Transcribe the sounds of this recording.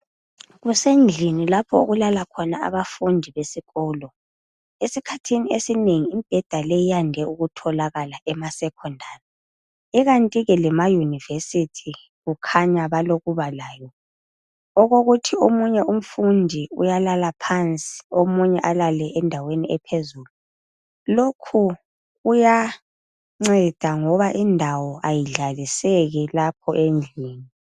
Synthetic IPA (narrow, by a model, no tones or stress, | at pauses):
ɣusend͡ɮʱinilapʰɔo̰ɣulalakʰɔnaa̰βafundʱiβesiɣɔːlɔ | esikʰatʰiniesineŋiːmb̥ʱɛd̥ʱalejijandʱɛʔuɣutʰɔlaɣalaʔɛmasɛkʰɔndʱaːri | iɣantʼiɣɛlɛmajunivesitʰi | ɣukʰaɲaβaloɣuβalaːjɔ | ɔɣoɣutʰiomuɲɛʔum̩fundʱiṵjalalapʰant͡sʼi̥omuɲɛʔalalɛʔɛndʱaweniɛpʰezuːlu | lokʰu | uja | ŋ͡ǀɛd̥ʱaŋɔβaʔindʱawɔʔajiɮalisɛɣɛlapʰɔʔend͡ɮʱiːni